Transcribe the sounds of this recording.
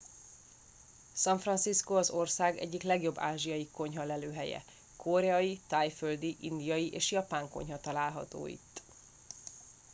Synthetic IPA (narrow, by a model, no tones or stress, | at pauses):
sɒɱfrɒnsiskoɒzo̞rsaːɡɛ̰ɟːiklɛɡjo̞bːaːʒijɒjiko̞ɲɦɒlɛløːɦɛjɛ̰ | kʰoɾɛɒjit̪aːjføld̪iʔind̪ijɒjiʔeːʃjɒpaːŋko̞̰ɲɦɒt̪ɒlaːlɦɒ̰t̪o̰ːjḭt̪ː